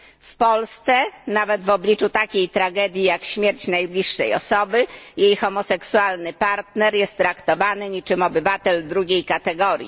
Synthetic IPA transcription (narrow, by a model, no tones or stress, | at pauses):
fpɔlst̪sɛnavɛd̪vɔblʲit͡ʂut̪akʲejt̪ɾaɡɛd̪ʲjijakɕmʲjɛɾt͡ɕnajblʲiʂːɛjɔ̰sɔbɘjejxɔmɔsɛksualnɘpaɾt̪nɛɾjɛst̪ːɾakt̪ɔvanɘɲit͡ʂɘmɔbɘvat̪ɛld̪ɾuɡʲejkat̪ɛɡɔɾʲjḭ